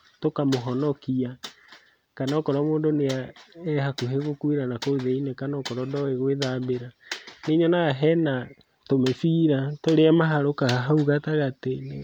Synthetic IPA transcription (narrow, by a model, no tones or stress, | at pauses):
tokamoɦɔnɔkia | kanɔkɔɾwamoːndoneaɛhakuɦeɣokweɾanakoðeinɛkanɔkɔɾɔdɔeɣweðabeɾaneɲɔnaɣaɦɛna | tomefiːɾatoɾeamaɦaɾokaɦauɣataɣatene